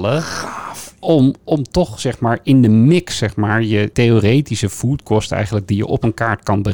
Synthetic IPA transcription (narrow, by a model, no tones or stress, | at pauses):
lə | ɔmɔmtɔχsɛχmaːɹɪndəmɪksːɛχmaːɹjəteorejtisəv̥uːtkɔstɛ̰jχənləɡ̚dijə̰ʔɔpənkaːɹtkɑnbə